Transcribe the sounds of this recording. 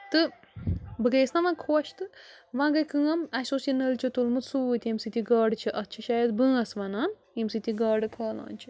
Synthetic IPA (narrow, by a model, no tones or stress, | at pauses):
t̪ɨ | bɨɡeːsnaʋãkʰoːʃt̪ɨʋãɡɐjkɨ̃ːɐmɐsoːsinɐlt͡ʃʰit̪ulmɨt̪suːt̪ʲɐmsit̪ʲiɡɐːɖɨt͡ʃʰiʔɐt̪̚t͡ʃʰiʃajɐd̪bɨ̃ːɐsʋɐnaːn | imsɨt̪ʲiɡɐːɖɨkʰɐːla̰ːnʲt͡ʃʰi